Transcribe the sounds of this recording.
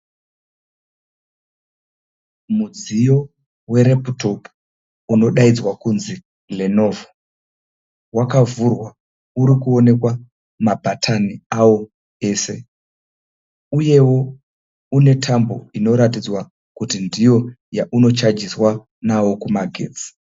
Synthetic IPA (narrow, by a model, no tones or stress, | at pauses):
mud͡zijo̞ | we̞ɾe̞puto̞pu̥ | uno̞ɗaid͡zwakunzi | le̞no̞ːvo | wakavurwa | uɾikuo̞ne̞kwa | mabʱatʰaniawo̞ | e̞ːse̞ | uje̞wo̞ | une̞tʰambo̞̰ino̞ɾatid͡zwa | kutindijo̞ | jaʔuno̞t͡ʃad͡ʒiswa | nawo̞kumaɡʱḛːd͡zi̥